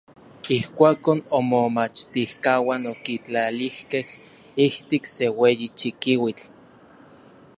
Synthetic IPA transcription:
ihkʷaːkonomomat͡ʃt̪ihkawanokit͡ɬalihkeh | iht̪ikseweːjit͡ʃikiwit͡ɬ

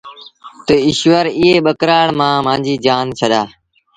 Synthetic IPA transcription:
t̪əɪʃʋəɾɪːɦeːɓəkɾaːɽmãːmãːɲd͡ʒiːd͡ʒaːnt͡ʃʰəɗ̪aː

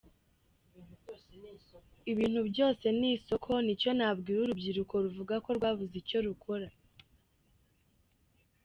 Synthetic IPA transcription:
iβiːn̥hubɟo̞ːse̞niːso̞kʰo̞nico̞nabɡiːɾuɾubɟiɾuko̞ɾuvuɡako̞ɾɡwaːβuzico̞ɾukʰo̞ɾa

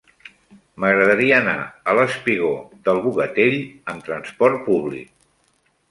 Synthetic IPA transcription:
məɣɾəðəɾiəːna̰ələspiɣ̞oðəlˠβuɣət̪eʎəmt̪ɾənspɔrt̪̚puβlḭk̚

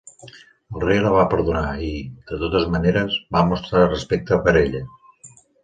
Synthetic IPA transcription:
əlˠrejləβ̞apəɾðunaiðət̪ot̪əzməneɾəzbamust̪ɾarəspek̚t̪əpəɾeʎə

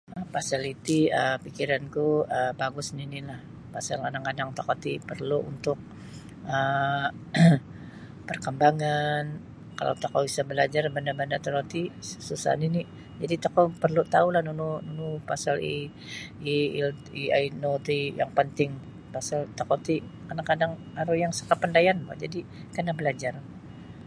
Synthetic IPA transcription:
əpasalit̪iəpikiɾankuəbaɡʊsninilah | pasalkadaŋkadaŋt̪akot̪ipərluʔṵnt̪ʊk̚ | ə | pərkəmbaŋan | ka̰la̰wt̪akobisabəlad͡ʒarbandabandat̪əɾot̪isusa̰nini | d͡ʒadit̪akopərlut̪aulahnunununupasalḭ | ilia̰inot̪ija̰ŋpənt̪ɪŋ | pasalt̪akot̪ikanakadaŋ | aɾujaŋsə̥kapəndajanba̰d͡ʒadikanabəlad͡ʒar

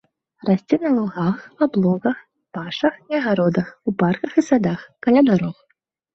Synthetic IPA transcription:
rasʲt͡sʲɛnɐlˠuɣaxablˠɔɣɐx | paʂɐxiɐɣaɾɔd̪ɐxuparkɐxisad̪axkalʲad̪aɾɔx

